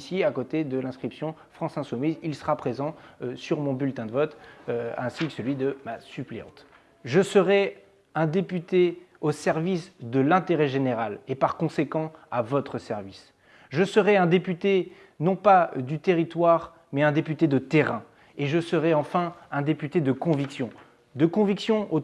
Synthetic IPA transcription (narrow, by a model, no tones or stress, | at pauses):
siakot̪ed̪əlɛ̃skχipsjɔ̃ | fχɑ̃sɛ̃sumizilsəʁapχezɑ̃syʁmɔ̃bylt̪ɛ̃d̪əvɔt̪øɛ̃sikə̥səlɥid̪əmasypleɑ̰̃t̪ | ʒəsəʁɛ | ɛ̃d̪epyt̪eosɛʁvisd̪əlɛ̃t̪eʁɛʒeneʁalepaʁkɔ̃sekɑ̃avɔt̪χəsɛʁvis | ʒəsəʁɛɛ̃d̪epyt̪e | nɔ̃pad̪yt̪eʁit̪waʁ | mɛɛ̃d̪epyt̪ed̪ət̪eʁɛ̃ | eʒəsəʁɛɑ̃fɛ̃ɛ̃d̪epyt̪ed̪əkɔ̃viksjɔ̃ | d̪əkɔ̃viksjɔ̃o